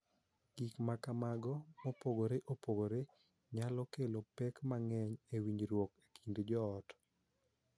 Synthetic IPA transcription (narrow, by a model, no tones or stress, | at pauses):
ɡ̥ikmakamaɡɔmɔpoɡoɾeʔopoɡoɾe | ɲalɔkelopɛkmaŋɛɲewiɲd͡ʒɾwoke̥kʰindd͡ʒɔːt